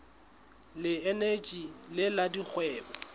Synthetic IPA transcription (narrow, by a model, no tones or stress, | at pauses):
lɪɛnet͡ʃʼilɪladik͡xʰwɛːbɔ